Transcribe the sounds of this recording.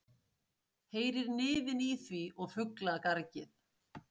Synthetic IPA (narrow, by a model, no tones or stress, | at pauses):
heːjɾɪɾnɪːðɪniθviɔɣfʏklakaɾcɪθ